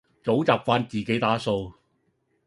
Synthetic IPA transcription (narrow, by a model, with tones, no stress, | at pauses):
t͡so˨˥wt͡saː˨p̚faː˥nt͡siː˨˩ke˨˥jt̪aː˨˥so˧w